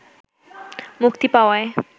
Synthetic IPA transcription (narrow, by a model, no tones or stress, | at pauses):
mukt̪ipaoae